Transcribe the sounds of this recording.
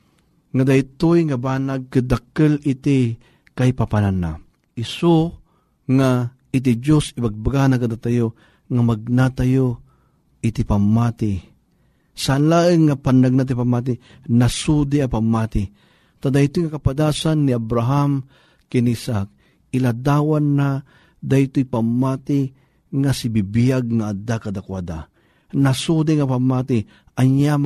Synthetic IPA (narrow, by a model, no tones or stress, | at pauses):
ŋad̪ajt̪ojŋabaːnaɡ̚kɨd̪akɨlit̪i | kajpapanana̰ | ʔiso | ŋa | it̪̬id͡ʒosɪbaɡ̚baɡanakad̪at̪ajo | ŋamaɡ̚nat̪ajo | it̪ɪpamːat̪ɪ | sanlaːʔɨŋːapanːaɡ̚nat̪̬ipamat̪̬i | nasud̪ɪapamːaːt̪ɪ | t̪ad̪ajt̪ʊjŋakapad̪aːsanːiabɾaɦam | kɛnisaʔak̚ | ɪlad̪awanːa | d̪ajt̪oipamːaːt̪ɪ | ŋasibibijaɡŋaad̪akad̪akwad̪a̰ | nasud̪iŋapamːat̪ɪ | ʔaɲjam